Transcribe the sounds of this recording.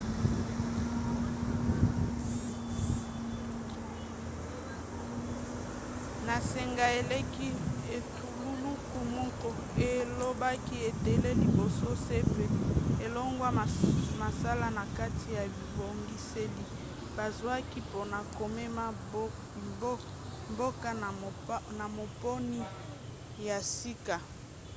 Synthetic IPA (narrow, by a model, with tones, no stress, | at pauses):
na˨se˨ŋɡa˨e˨le˦ki˦e˨tu˨lu˦lu˦ku˨mu˦ko˨ | e˨lo˦ba˦ki˦e˨te˨le˦li˨bo˨so˦se˦pe˦e˨lo˦ŋɡwa˦˨ma˨sa˦la˦na˨ka˦tʰi˨ja˨bi˨bo˨ŋɡi˦se˦li˦ | ba˨zwa˦ki˦po˦na˨ko˨me˦ma˦b | mbo˦ka˦˨˦na˨mo˨po˦ni˦ | ja˨si˦ka˨